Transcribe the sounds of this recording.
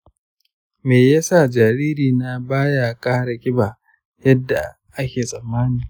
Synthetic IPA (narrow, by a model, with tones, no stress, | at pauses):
meː˨ja˦sa˦˨d͡ʒaː˨ɾiː˦ɾiː˨na˦baː˦ja˨kʼaː˦ɽa˨kʲʼɪ˦baː˨ | jɐ˦dːa˨ | ʔa˦kʲeː˨sʼɐ˨mːaː˦niː˨